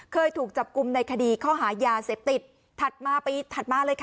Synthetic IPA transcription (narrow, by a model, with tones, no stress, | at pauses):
kʰɤː˧jt̪ʰuː˨˩k̚t͡ɕa˨˩p̚ku˧mna˧jkʰa˧diː˧kʰɔː˥˩ɦaː˩˦jaː˧seː˨˩p̚t̪i˨˩t̪̚ʰː | a˨˩t̪̚maː˧˩pi˧t̪ʰa˨˩t̪̚maː˧lɤː˧jkʰa˥